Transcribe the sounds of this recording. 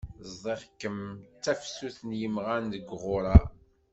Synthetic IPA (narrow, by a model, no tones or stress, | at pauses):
zˤðˤeʁkːəmt͡sːæfsuθnjəmʁænðəɡʁʊɾˤɑ